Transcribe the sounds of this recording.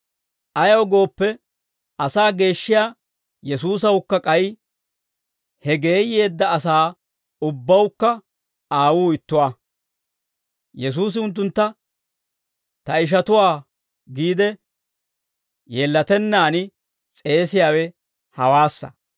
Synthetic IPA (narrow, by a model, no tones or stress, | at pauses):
ʔɐjɐwɔɡo̞ːpːɛ | ʔɐsaːɡe̞ːʃːɪjaː | jɛsuːs̬ɐwkːɐkʼɐj | hɛɡe̞ːjːe̞ːd̪ːɐːsaː | ʊbːɐwkːɐ | aːwuːɪt̪ːʊwaː | jɛs̬uːs̬ɪʊnt̪̬ːʊnt̪ːɐ | t̪ɐɪʃ̬ɐt̪ʊwaː | ɡiːd̪ɛ | jeːlːɐt̪ɛnːaːnɪ | t͡sʼe̞ːsɪjaːwɛ | hɐwaːsːɐ̰